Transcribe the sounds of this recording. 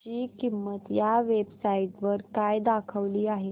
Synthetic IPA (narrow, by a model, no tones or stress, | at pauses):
iːkimːət̪jaʋebsaiʈʋəɾkajd̪akʰəʋliːaɦe